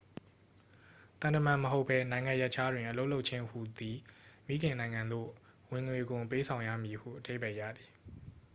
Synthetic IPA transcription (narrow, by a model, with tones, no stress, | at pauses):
t̪ã˨ntə˨mã˨məɦo˦pʰːɛ˦nã˨ɪ̃ŋã˨jɛ˦ʔt͡ɕʰa˦dwɪ̃˨ʔəlo˦lo˦ʊʔ̚t͡ɕʰɪ̃˦hu˨d̪i˨mḭ˦ɡɪ̃˨nã˨ɪ̃ŋã˨nd̪o̰˦˨ | wɪ̃˨ŋwe˨ɡʊ̃˨p̬e˦sʰã˨ʊ̃jä̰˦˨mji˨hṵ˦˨ʔəde˦ɪbɛ˦˨jä̰˦˨d̪i˨